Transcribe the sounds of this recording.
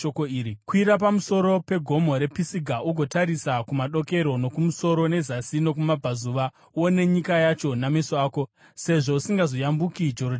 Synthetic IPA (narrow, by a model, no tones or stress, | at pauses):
okoiːɾikwiɾap̬amuso̞ɾo̞pe̞ɡʱo̞mo̞ɾe̞pisiɡʱaʔuɡʱo̞taɾisakumaɗo̞ke̞ɾo̞no̞kumuso̞ɾo̞ne̞zasino̞k̬umabʱazuʋa | wone̞ɲikajat͡ʃo̞namesoaːko̞ | se̞ʐo̞usiŋɡazo̞jambukid͡ʒo̞rod